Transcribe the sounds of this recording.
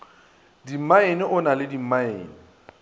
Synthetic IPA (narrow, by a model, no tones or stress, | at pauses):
dim̩maenɪʔʊnalɪdim̩maḛːni